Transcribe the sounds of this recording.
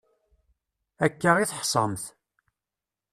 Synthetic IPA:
ækːəʁiθħsˤəmθ

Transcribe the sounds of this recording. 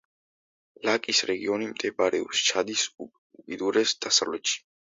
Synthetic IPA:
lakʼisɾɛɡiɔnimt̪ʼʰɛbaɾɛɔpst͡ʃʰad̪is | ukʼid̪uɾɛsd̪̥asavlɛt̪ʃi̥

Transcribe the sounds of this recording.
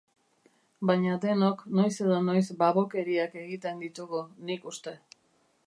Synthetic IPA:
bajɲad̪e̞nokno̞jse̞ðono̞jsbaβo̞ke̞ɾiake̞ɣit̪e̞nd̪it̪uɣunikust̪e̞

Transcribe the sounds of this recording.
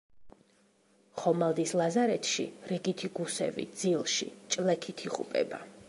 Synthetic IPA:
χɔmalˠd̪islˠazaɾɛt̪ʰʃḭɾɛɡit̪ʰiɡusɛ̰vḭd̪zilˠʃḭt͡ʃʼlɛkʰit̪ʰiχʼṵpʼɛ̰ba̰

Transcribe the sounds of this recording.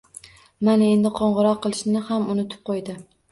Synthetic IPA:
manae̞nd̪ɪqʰɒɴʁɨɾɒqʰːɨlˠɪʃnɪhamʊnʊt̪ʰɪ̥p̚qʰojd̪ɪ

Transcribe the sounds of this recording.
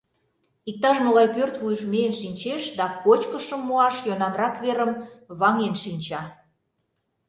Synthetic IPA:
ik̚t̪ɑʃnoɣɑjpørt̪βujəʃmeenʃinʲt͡ɕeʃd̪ɑkot͡ɕkəʃəmːoɑʃjonɑnrɑkβeɾəmβɑŋenʃinʲt͡ɕɑ

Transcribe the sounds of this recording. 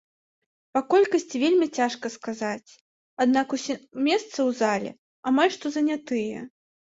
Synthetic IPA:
pakɔlʲkɐsʲt͡sʲivʲelʲmʲit͡sʲaʂkɐskazat͡sʲ | ad̪nakumʲɛst̪sɐwzalʲɛ̰ | amalʲʂt̪ɔzɐnʲat̪ɨjɐ

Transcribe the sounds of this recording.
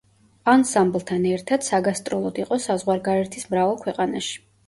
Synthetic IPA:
ansamblˠt̪ʰanɛɾt̪ʰad̪̥saɡast̪ʼɾɔlˠɔd̪iqʼɔsazʁwaɾɡaɾɛɾt̪ʰismɾavɛlˠkʰwɛqʼanaʃi̥

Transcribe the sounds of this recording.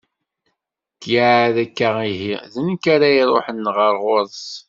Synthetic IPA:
kjaʕðækːaiɦiðənkːaɾaiɾˤoħənːʁəɾˤʁʊɾˤs

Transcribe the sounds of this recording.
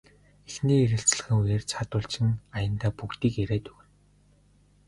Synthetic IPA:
exniːeɾɘ̆ɬt͡sɮə̥̆xɘ̆ŋujeːrt͡sʰat̪ʊːɮt͡ɕʰɪ̆najə̆nt̪aːpukt̪iːkeɾeːt̪ɵɣɘ̆n

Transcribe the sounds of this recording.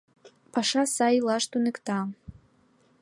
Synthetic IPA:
pɑʃɑsɑjilɑʃt̪unɘ̆kt̪ɑ

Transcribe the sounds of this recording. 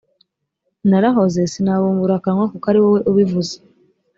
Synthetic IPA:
naɾaɦozesinaβomuɾakamwakukaɾiwoweʔoβivuze̥

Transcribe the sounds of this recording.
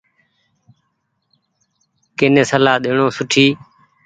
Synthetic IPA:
kenẽːsəlaːɗ̪eːɳõːsʊʈʰiː

